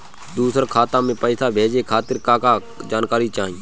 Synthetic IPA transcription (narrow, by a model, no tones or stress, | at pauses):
d̪uːsəɾkʰaːt̪ãːmẽːpəːsaːbʱeːd͡ʒeːkʰaːt̪ɪɾkaːkaː | d͡ʒaːnkaːɾiːt͡ʃaːɦĩː